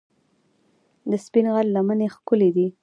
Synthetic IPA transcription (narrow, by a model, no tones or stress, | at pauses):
d̪əspinɣallamanexkʊled̪i